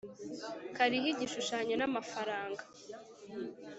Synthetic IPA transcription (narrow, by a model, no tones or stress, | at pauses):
kaɾihiɟiʃuʃaːɲo̞namafaɾaːŋɡḁ